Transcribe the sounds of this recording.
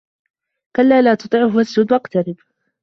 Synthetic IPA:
kalːaːlaːt̪ʊt̪ˤɨːʕʊɦwasd͡ʒud̪waqt̪aɾɪb

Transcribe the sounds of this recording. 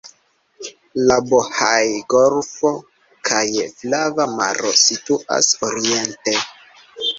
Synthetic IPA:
labohajɡolfo̞ | kʰajflavama̰ɾo̞situʔa̰soɾie̞nte

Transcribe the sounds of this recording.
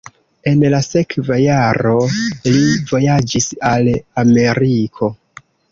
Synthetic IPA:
e̞nlase̞kvajaɾo̞livo̞jad͡ʒisalame̞ɾikʰo̞

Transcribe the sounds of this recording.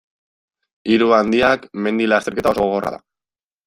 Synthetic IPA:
iɾuand̪iakme̞nd̪ilast̪e̞ɾke̞t̪ao̞so̞ɣo̞ɣo̞ra̰ða̰

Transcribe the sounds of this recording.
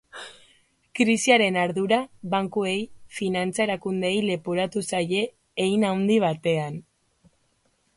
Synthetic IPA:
kɾisiaɾe̞naɾðuɾaβaŋkue̞jfinant͡saeɾakund̪e̞jle̞poɾat̪usaje̞ː | jnawnd̪iβ̞at̪e̞an

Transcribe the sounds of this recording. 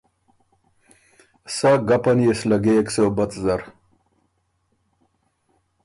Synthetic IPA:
saɡɐpɐnjeslɐɡeksewbɐt̪zɐɾ

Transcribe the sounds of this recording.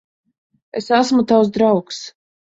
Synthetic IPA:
esasmut̪aws̬d̪ɾawks

